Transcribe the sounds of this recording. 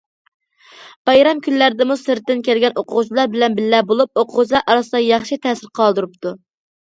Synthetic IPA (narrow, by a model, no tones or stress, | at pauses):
b̥ɑjɾɑmkʲyllæɾɪd̪ɪmusɨɾt̪ːɪnkʲælɡʲɛnoqʰʊʁʊt͡ʃlˠɑɾbɪlɛnbɪlːɛbolˠup̚oqʰʊʁʊt͡ʃʰlˠɑɾʔɑɾɑsɨd̪ɑjɑχʃit̪ʰɛːsɪɾqʰɑlˠd̪ɨɾup̚t̪ʰu